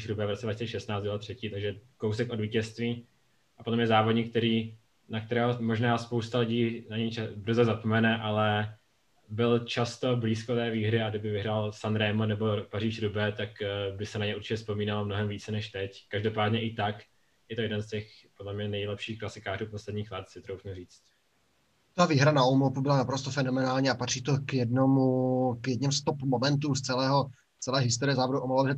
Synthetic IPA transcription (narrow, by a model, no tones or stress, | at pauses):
ʃɾubɛːvɾot͡sɛdvacit͡sɛʃɛst̪naːtt͡sd̪bɪlat̪r̝̥ɛciːt̪aɡʒɛkowsɛkʔo̞dviːcɛst̪viː | ʔapodlɛmɲɛzaːvodɲiːk̚t̪ɛɾiː | nakt̪ɛɾɛːɦomoʒnaːspowst̪alɪɟiːnaɲɛbr̩zɛzapomɛnɛʔalɛ | bɪlt͡ʃast̪o̞bliːskot̪ɛːviːɦɾɪaɡdɪbɪvɪɦɾaːlsanɾɛːmonɛbo̞pariːʃɾubɛt̪akbɪsɛnaɲɛuɾt͡ʃɪcɛspo̞miːnalmnoɦɛmviːt͡sɛnɛʃt̪ɛckaʒdo̞paːdɲɛʔɪt̪ak | jɛt̪o̞jɛdɛnscɛx | podlɛmɲɛnɛjlɛpʃiːxklasɪkaːruːpo̞slɛdɲiːxlɛt̪sɪt̪ɾowfuriːt͡st̪ | t̪aviːɦɾanaomolpubɪlanapɾost̪ofɛno̞mɛnaːlɲiapat̪r̝̥iːt̪o̞kjɛdnomukjɛdɲɛmst̪opmomɛnt̪̬ust͡sɛlɛːɦo̞ | t͡sɛlɛːɦɪst̪oɾɪjɛzaːboduʔomalobʒɛ